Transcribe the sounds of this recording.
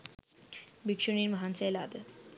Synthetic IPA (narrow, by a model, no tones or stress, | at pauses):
bikʂuɳiːnməɦanselad̪ə